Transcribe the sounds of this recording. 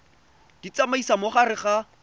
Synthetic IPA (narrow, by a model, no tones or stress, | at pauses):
d̥it͡samaisamoχarɪχa